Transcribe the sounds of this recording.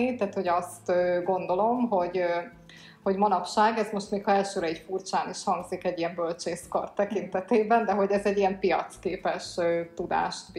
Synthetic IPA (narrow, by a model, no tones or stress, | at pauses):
it̪ɛːt̪ho̞ɟɒst̪øːɡo̞nd̪o̞lo̞mɦo̞ɟ | ho̞ɟmɒnɒpʃaːɡɛzmo̞ʃt̪meːkhɒɛlʃøːɾɛicfurt͡ʃaːniʃhɒŋɡzikɛɟijɛmbølt͡ʃeːskɒ̰rt̪ːɛkint̪ɛt̪eːbɛnd̪ɛɦo̞ɟɛzɛɟːijɛmpijɒ̰t̪skeːpɛʃøt̪ud̪a̰ːʃt̪b